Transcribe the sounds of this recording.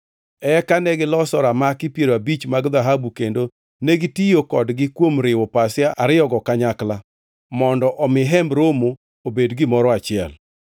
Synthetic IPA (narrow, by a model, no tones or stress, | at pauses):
ɛkanɛɡɪlɔsɔɾamakɪpjeɾabit͡ʃmaɡd̪aɦabukendo | neɡɪtijokɔdɡɪkwomɾɪwɔpasjaaɾɪjɔɡɔkaɲakla | mɔndɔʔɔmɪɦɛmbɾomo | obedɡɪmɔɾɔat͡ʃɪɛ̰l